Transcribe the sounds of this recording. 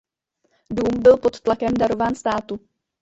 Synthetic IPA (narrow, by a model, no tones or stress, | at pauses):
duːmbɪlpo̞t̪ːlakɛmdaɾo̞vaːnst̪aːt̪u